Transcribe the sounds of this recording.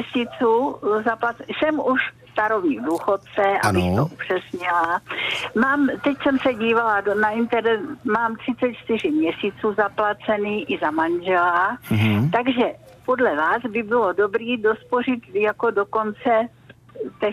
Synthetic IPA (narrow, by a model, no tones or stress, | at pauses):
ɛsiːt͡suːzaplat͡sɛsɛmuʃst̪aɾovɲiːvduːxot̪̚t͡sɛʔa̰bɪxt̪oʔupr̝̥ɛst̪ɲɪlamaːmt̪ɛcsɛmsɛɟiːvaladonaɪnt̪ɛɾnɛmaːmt̪r̥ɪt͡sɛt̪t͡ʃt̪ɪr̝ɪmɲɛsiːt͡suːzaplat͡sɛniːʔɪzamanʒɛlat̪aɡʒɛpo̞dlɛvaːzbɪbɪlo̞do̞bɾiːdo̞spo̞rɪt̪jako̞doko̞nt͡sɛ | t̪ɛ